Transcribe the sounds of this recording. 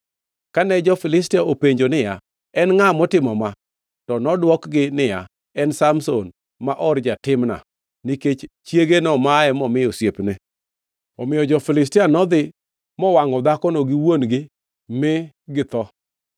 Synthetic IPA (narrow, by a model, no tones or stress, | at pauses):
kanɛd͡ʒɔfɪlɪstɪaopeɲd͡ʒonɪja | ɛnŋamɔtɪmɔma | tɔnɔdwɔkɡɪnɪja | ɛnsamson | maʔɔrd͡ʒatɪmna̰ | niket͡ʃ | t͡ʃjeɡenɔmaɛmɔmɪjɔsjepne | ɔmɪjɔd͡ʒɔfɪlɪs̬tɪanɔd̪ɪ | mɔwaŋɔd̪akɔnɔɡɪwonɡɪ | mɪ | ɡɪt̪ɔ